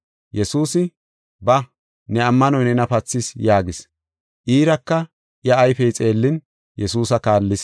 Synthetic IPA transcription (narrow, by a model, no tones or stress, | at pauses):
jɛsuːsɪ | bɐ | nɛɐmːɐnɔjnɛnɐpɐt͡sːɪsjaːɡɪs | ʔiːɾɐkːɐ | jɐːjfɛjt͡sʼe̞ːlːɪn | jʔɛsuːsɐkaːlːɪs